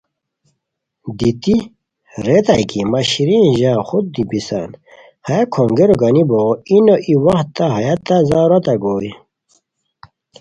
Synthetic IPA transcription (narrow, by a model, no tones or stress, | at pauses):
d̪it̪i | ɾet̪ajkimaɕiɾiʑãːxut̪̚d̪ipisa̰n | hajakʰoŋɡeɾoɡaniboinoʔiwaxt̪ːaɦajat̪ːazauɾɐt̪aɡoːj